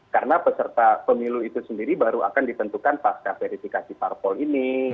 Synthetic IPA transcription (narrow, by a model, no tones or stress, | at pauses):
karnapəsərt̪apəmiluit̪usəndiɾibaɾua̰kandit̪ənt̪ukanpaskafeɾifikasiparpɔlini